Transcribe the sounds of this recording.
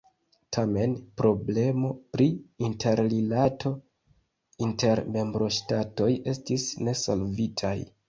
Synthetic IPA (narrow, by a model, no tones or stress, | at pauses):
tʰame̞npɾo̞ble̞mo̞pɾiintʰe̞ɾlilatʰo̞ | inte̞ɾme̞mbɾo̞ʃtato̞je̞stisne̞so̞̰lvitʰa̰j